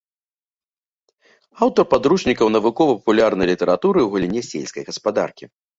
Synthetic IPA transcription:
awt̪ɔrpad̪ɾuʂnʲikɐwnɐvukɔvɐpɐpulʲarnɐjlʲit̪ɛɾat̪uɾɨwɣɐlʲinʲɛsʲɛ̰lʲsʲkɐjɣɐspad̪a̰rkʲi

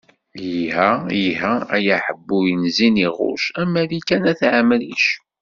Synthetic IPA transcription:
jihæjiɦææjaħəbːujənziniʁʊ̰ʃæmːæðikænæθʕamːəliʃu

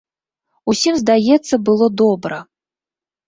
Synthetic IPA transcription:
usʲimzd̪ajɛt̪sːɐbɨlˠɔd̪ɔbɾɐ

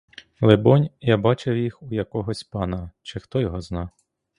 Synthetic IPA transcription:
lˠebɔnʲjabɑt͡ʃewjixujɐkɔɦɔsʲpɑnɐt͡ʃɪxt̪ɔjɔɦɔznɑ

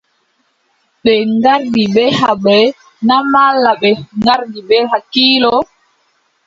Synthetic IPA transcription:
ɓɛŋɡaɾdiɓɛhaɓɛ | namalːaɓɛŋɡaɾdiɓɛɦakiːlɔ

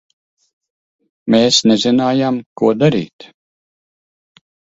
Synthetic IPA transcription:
meːsnezinaːjamkuɔd̪aɾḭːt̪

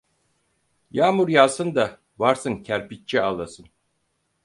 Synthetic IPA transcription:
jaːmuɾjasɯnd̪a | vaɾsɯncʰæɾpitt͡ʃːʰialˠasɯn

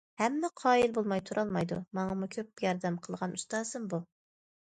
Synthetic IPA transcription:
hɛmːɛqʰɑːilbolˠmɑjt̪ʰuɾʔɑlˠmɑjd̪ṵmɑŋɑmukʲʰøp̚jɑɾd̪ɛmqʰəlˠʁɑnust̪ɑːsɨmbu

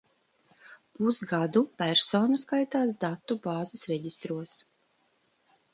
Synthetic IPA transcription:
pusɡad̪upæɾsoːnaskajt̪aːsd̪at̪ːubaːzɪsɾɛɟist̪ɾuɔs

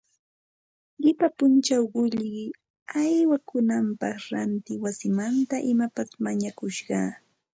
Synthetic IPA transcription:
ʎɪpapʊnt͡ʃawɢʊʎɢɪ | ajwakʊnampɑχɾant̪ɪwasɪmant̪aʔɪmapasmaɲakʊʃɢɑː

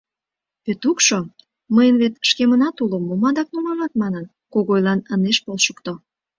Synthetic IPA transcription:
βet̪ukʃo | məjənβet̪ʃkemənɑt̪uləmːomɑd̪ɑk̚numɑlɑt̪̚mɑnən | koɣojlɑnəneʃpolʃəkt̪o

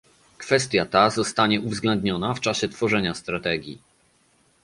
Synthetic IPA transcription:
kfɛst̪ʲjat̪azɔst̪aɲɛʔuvzɡlɛnd̪ɲɔnaft͡ʂaɕɛt̪fɔʐɛɲast̪ɾat̪ɛɡʲjḭ

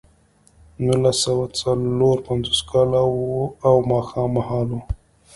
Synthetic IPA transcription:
nulasawat͡saloɾpanzoskʰɑlawawmɑxɑmːahɑlu

